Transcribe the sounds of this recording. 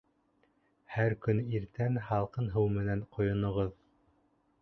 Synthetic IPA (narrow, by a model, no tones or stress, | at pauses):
hæɾkɵniɾt̪ænhɑlˠqɤnɦɤwmɘ̆nænqŏjŏnŏʁɤð